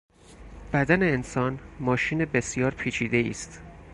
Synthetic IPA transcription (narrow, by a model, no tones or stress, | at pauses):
b̥æd̪æneːnsɒːnmɒːʃiːnebe̞sjɒːɾpʰiːt͡ʃʰiːd̪e̞iːst̪